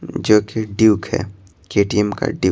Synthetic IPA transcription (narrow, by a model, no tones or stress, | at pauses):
d͡ʒoːkeɖiːkhɛ̰ː | keːʈiɛmka̰ɖi